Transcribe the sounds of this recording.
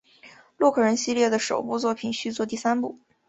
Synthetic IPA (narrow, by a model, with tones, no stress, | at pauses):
lwɔ˥˧kʰɤ˥˩ɻə˧˥nɕi˥ljɛ˥˩d̪ə˩ʂo̰˨˩ʊpu˥˧t͡swɔ˥˩pʰi˨˩nɕy˥˧t͡swɔ˥˧t̪i˥˩sa˥npu˥˩